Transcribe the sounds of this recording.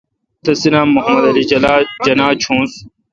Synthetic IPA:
t̪ʰɐsinaːmːʊɦɐmɐd̪ɐliːlaːd͡ʒɐnaːt͡ʃʰũːs

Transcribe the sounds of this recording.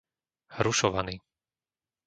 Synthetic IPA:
hɾuʃɔʋaniː

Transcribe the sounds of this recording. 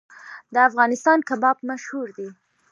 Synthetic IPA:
d̪əafɣɑnɪst̪ɑnkabɑbmaʃhuɾd̪i

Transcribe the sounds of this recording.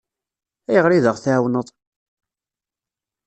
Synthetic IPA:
æjəʁɾiðəʁθæwnəðˤ

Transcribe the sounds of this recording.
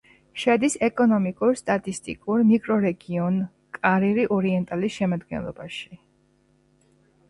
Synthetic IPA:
ʃɛd̪isɛkʼɔnɔmikʼuɾst̪ʼat̪ʼist̪ʼḭkʼuɾmikʼɾɔɾɛɡiɔn | kʼaɾiɾiʔɔɾiɛnt̪ʼalisʃɛmad̪ɡɛ̰nlˠɔ̰baʃi̥

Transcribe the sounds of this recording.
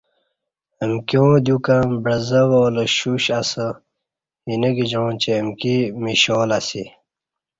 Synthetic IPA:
əmkjõːd̪jukambɾɐzɐwoːləɕuɕɐsə | inɐɡid͡ʑõːnt͡ɕeːmkimiɕoːlɐsi

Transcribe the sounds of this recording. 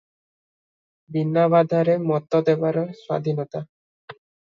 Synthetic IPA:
binːaβad̪ʱaɾemɔt̪ːod̪ebaɾɔswa̰d̪ʱinɔt̪a

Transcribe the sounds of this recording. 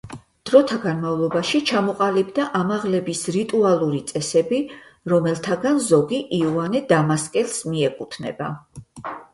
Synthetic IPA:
d̪̥ɾɔt̪ʰaɡanmavlˠɔbaʃit͡ʃʰamɔqʼalibd̪aʔamaʁlɛbisɾit̪ʼualˠuɾit̪sʼɛsɛbiɾɔmɛlˠt̪ʰaɡanzɔɡiʔiuanɛd̪amaskʼɛlsmiɛkʼut̪ʰnɛ̰ba̰

